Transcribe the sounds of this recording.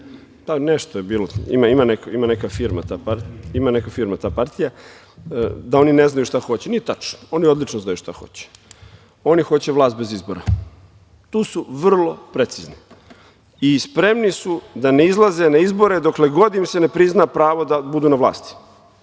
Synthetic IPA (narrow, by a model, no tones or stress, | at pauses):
paneʃt̪ojebiːloḭmaimanekoimanekafiɾma̰t̪aːpaimanekafiːɾmat̪aːpaɾt̪ija | d̪ao̞nine̞znajuʃt̪axo̞t͡ɕeniet̪at͡ʃno̥o̞nio̞d̪lit͡ʃnoznajuʃt̪axo̞̰t͡ɕe̥ | o̞nixo̞t͡ɕeʋlˠaːst̪̚be̞zizboɾa | t̪uːsuʋr̩lˠo̞pɾet̪sizni | ispɾe̞mnisud̪aneizlˠaze̞naizbo̞ɾed̪o̞kle̞ɡo̞d̪imsene̞pɾiznapɾaːʋo̞d̪abud̪uːnaʋlˠa̰ːst̪i̥